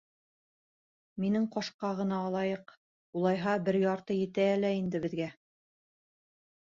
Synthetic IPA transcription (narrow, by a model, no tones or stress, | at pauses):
minɘŋqɑʃqɑʁɤ̆nɑːlˠɑjɤq | ulˠɑjɦɑbɘɾjɑɾt̪ɤjɘ̆t̪æːlæind̪ɘ̆bɘ̆ðɡæ